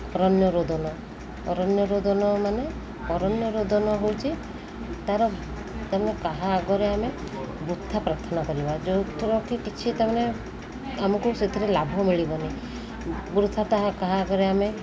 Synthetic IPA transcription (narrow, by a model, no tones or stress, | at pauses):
ɔɾɔnjɔɾod̪ʱɔnɔ | ɔɾɔnjɔɾod̪ʱɔnɔmane | ɔɾɔnjɔɾod̪ɔnɔɦowt͡ʃʰi | t̪aɾɔ | t̪amanekaɦaːɡɔɾeame | bɾut̪ʰːapɾat̪ʰɔnakɔɾibad͡ʒot̪ʰuɾɔkʰikit͡ʃʰit̪amane | amɔkuset̪ʰiɾelabʱɔmiɭibɔni | bɾut̪ʰːat̪aɦakaɦaːɡɔɾeame